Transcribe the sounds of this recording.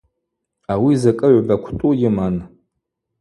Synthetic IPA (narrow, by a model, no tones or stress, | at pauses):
awizakʼɨʕʷbakʷʰtʼujʲɪman